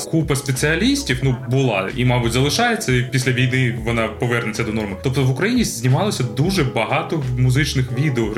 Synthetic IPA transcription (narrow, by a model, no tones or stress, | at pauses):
kupɐspʲesɨɐlʲisʲtʲiwnubʊlˠɑ̰ḭmɑbʊtʲzɐlˠɪʃɑjet͡sʲːɐipʲisʲlʲɐʋʲijnɪʋɔnɑpɔʋɛrnet͡sʲːɐd̪ɔnɔrmɪt̪ɔpt̪ɔʋʊkɾɐjinʲizʲnʲimɑlˠɔsʲɐd̪uʒɛbɐɦɑt̪ɔmʊzɪt͡ʃnɪxʋʲid̪eɔ